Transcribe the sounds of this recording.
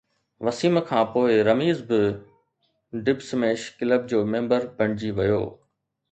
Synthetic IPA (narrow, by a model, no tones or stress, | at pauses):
ʋɐsiːmkʰãːpoːɪɾɐmiːzbɪ | ɖɪbsmẽːʃkɪləb̚d͡ʑoːmẽːmbəɾbʱɐɽ̃ɪd͡ʑiʋɐjo̰ː